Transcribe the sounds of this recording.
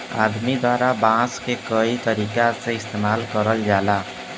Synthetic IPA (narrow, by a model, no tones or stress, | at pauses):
a̰d̪mid̪waɾabãskekəit̪əɾikasẽɪst̪emalkəɾəld͡ʒala